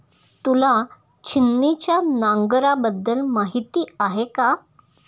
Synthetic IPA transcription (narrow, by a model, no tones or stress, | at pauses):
t̪ula | t͡ɕʰinːit͡ɕjanãŋɡɾabəd̪ːəlmaɦit̪iːaɦeka